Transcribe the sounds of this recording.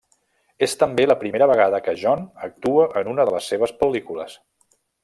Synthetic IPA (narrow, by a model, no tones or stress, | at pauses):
est̪əmbeləpɾimeɾəβəɣ̞aðəkəʒɔnək̚t̪uəʔənunəðələsːeβ̞əspəlikuləs